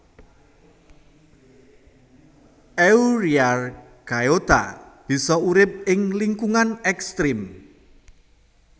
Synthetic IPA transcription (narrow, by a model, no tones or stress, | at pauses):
ʔɛuɾiar | ɡ̥ajot̪a̰b̥i̤sɔuɾɪp̚ɪŋliŋkuŋanɛkst̪ɾɪm